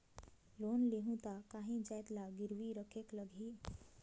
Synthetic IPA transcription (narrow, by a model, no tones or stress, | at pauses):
loːnleɦũt̪akaːɦĩd͡ʒajt̪laɡɪɾʋiɾəkʰekləɡʱi